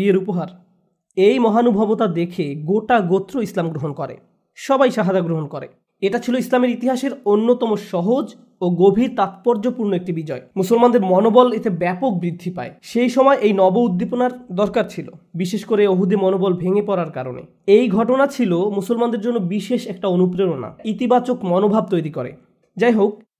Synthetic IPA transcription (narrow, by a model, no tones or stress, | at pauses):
ieɾupoɦaɾ | ejmɔɦanubʱabot̪ad̪ekʰeɡoʈaɡot̪ːɾoislamɡɾoɦonkɔɾḛ | ʃɔbajʃaɦad͡ʑaɡɾoɦonkɔɾḛ | eʈat͡ɕʰiloislameɾit̪iɦaʃeɾonːot̪ɔmoʃɔɦod͡ʑ | oɡobʱiɾt̪at̪̚pɔɾd͡ʑopuɾnoek̚ʈibid͡ʑɔemusolmand̪eɾmɔnobɔlet̪ebɛpok̚bɾid̪ʱːipa̰eʃejʃɔmɔeʔejnɔboud̪ːiponaɾd̪ɔɾkaɾt͡ɕʰilo̰biʃeʃkoɾeoɦud̪imɔnobɔlbʱeŋepɔɾaɾkaɾo̰nḛ | ejɡʱɔʈonat͡ɕʰilomusolmand̪eɾd͡ʑonːobiʃeʃɛk̚ʈaonupɾeona̰it̪ibat͡ɕokmɔnobʱab̚t̪ojɾikɔɾḛ | d͡ʑajɦok̚